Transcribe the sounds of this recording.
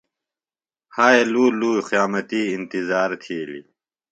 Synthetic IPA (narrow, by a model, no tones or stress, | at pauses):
haːeluːluːxjaːmɐt̪iːnt̪izaːɾt̪ʰiːlḭ